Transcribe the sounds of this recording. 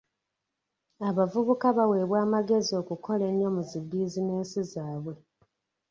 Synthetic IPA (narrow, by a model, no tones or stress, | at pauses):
aβavuβukaβawe̞ːβwaːmaɡe̞zio̞ːkukʰo̞le̞njomuzibːiːzine̞ːnsizaːβwe̞